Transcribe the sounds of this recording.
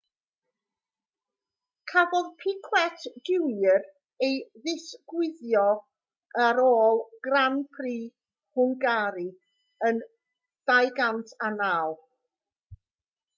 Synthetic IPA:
kʰabɔðpʰɪkʰwɛtʰd̥ɪwjər | ejðɪsɡ̥wɪðjɔ | aɾoːlˠɡ̥ranpʰriː | hʊŋɡaɾi | ən | d̥ajɡantʰanaːwˠ

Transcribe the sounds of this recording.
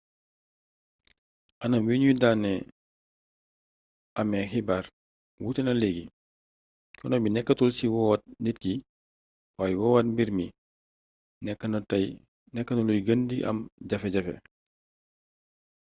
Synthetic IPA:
ʔɐnɐmwiɲudaːnːɛ | ʔɐmɛxibaːr | wutɛnɐlɛɡi | kɔnɔbinɛkːɐtulsiwɔwat̚nit̚ki | waːjɛwɔwat̚mbiɾmi | nɛkːntɐj | nɛkːɐnulujɡəndiʔɐ̰mɟɐfɛɟɐfɛ̰

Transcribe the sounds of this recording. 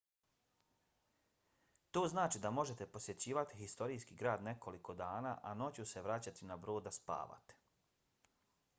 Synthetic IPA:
t̪o̞ːznaːt͡ʃid̪amo̞ʒe̞t̪e̞po̞sje̞t͡ɕiːʋat̪ixist̪o̞ɾijskiːɡɾaːd̪ne̞ko̞liko̞d̪aːnaːʔano̞t͡ɕuse̞ʋɾat͡ɕat̪inabɾo̞ːd̪ːaspa̰ːʋa̰t̪e̥

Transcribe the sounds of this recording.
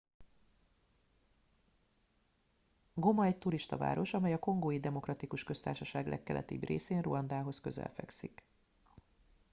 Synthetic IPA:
ɡo̞mɒɛct̪uɾiʃt̪ɒ̰va̰ːɾo̞ʃɒmɛjɒko̞ŋɡoːjid̪ɛmo̞krɒt̪ikuʃkø̞st̪aːrʃɒʃaːɡlʔɛ̰kːɛlʔɛ̰t̪ḭːbreːseːnruɒnd̪aːɦo̞skøzɛ̰lfɛ̰ksik

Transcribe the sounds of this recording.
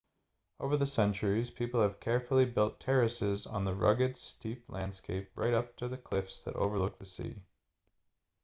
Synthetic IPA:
ʔoʊvə˞ðɨsɛ̃nt͡ʃə˞iz̥pʰipl̩ˠɨv̥kʰɛɹfl̩ˠibɪlˠtʰɛɹɨsɪzn̩ðəɹʌ̰ɡɨdstiplæ̃nd̥skeɪp̚ɹʔa̰ɪɾʌp̚tʰɨðɨkʰl̥ɪfsðɨ̰ɾʔo̰ʊvə˞lʊk̚ðɨsḭ

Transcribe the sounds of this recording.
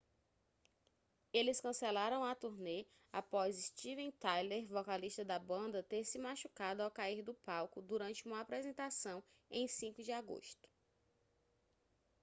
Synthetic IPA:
elɪskɐ̃sɛlaɾɐ̃w̃ɐt̪uɾne | apɔzist͡ʃivẽt̪ajleɾvɔkaliʃt̪ɐd̪ɐbɐ̃nd̪ɐt̪eɾsɪmaʃukad̪ʊawkaiɾd̪ʊpawkʊd̪uɾɐ̃nt͡ʃɪũmɐapɾɛzẽnt̪asɐ̃w̃ | ẽj̃sĩkʊd͡ʒɪaɡo̰ʃt̪ʊ̥

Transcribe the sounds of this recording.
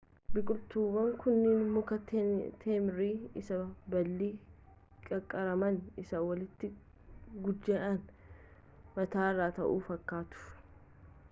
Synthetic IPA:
bɪkʼʊlt̪uːbɐŋkʊnːɪnmʊkɐt̪t̪ʰeːmɾiːɪsɐbɐlːiː | kʼɐkʼːɐɾɐmɐnɪsɐwɐlɪt̪ːɪ | ɡʊd͡ʒːeːʔɐn | mɐt̪aːrːaːt̪ɐ̰ʔuːfɐkːaːt̪ʊ̥f

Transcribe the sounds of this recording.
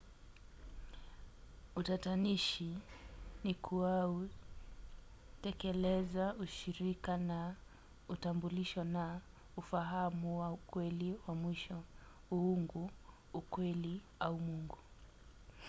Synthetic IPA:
utataniʃi | nikʰuwau | tɛkɛlɛzauʃiɾikana | utambuliʃɔna | ufaɦamuwaukwɛliwamwiʃɔ | uuŋɡuː | kwɛli | aumuŋɡu

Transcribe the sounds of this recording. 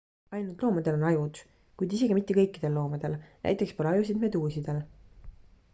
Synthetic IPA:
ɑjnult̪ˑlo̞ːmɑd̪e̞lo̞nɑjud̪̥ | kujd̪is̬e̞ɡimit̪ːe̞kɤjkːˑid̪̥e̞lːo̞ːmɑd̪̥e̞lnæ̰jt̪ːˑe̞kspolɑjus̬inme̞d̪uːsid̪̥e̞l

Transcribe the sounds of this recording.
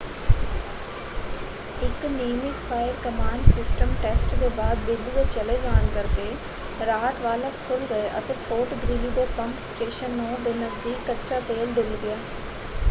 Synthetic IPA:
ɪkniːmɪd͡ʒpʰaːɪəɾkəmãːɳɖsɪsʈəmʈɛːsʈd̪eːbaːd̪bɪd̪ɡ̪eːt͡ʃəleːd͡ʒaːnkəɾk̪eː | ɾaːt̪ʋaːlakʰʊlɡəeʔə̰t̪eːfʰoːʈd̪ɾiːid̪eːpəŋksʈeːʃənːõːd̪eːnəzd̪iːkːəɾt͡ʃaːpeːlɖɪlɡɪjaː

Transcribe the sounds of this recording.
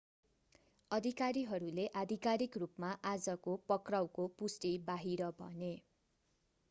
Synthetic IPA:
ʌd̪ʱikaɾiɦʌɾuleʔad̪ʱikaɾikrupmaʔad͡zʌkopʌkrawkopusʈibaɦiɾʌbʱʌ̰ne

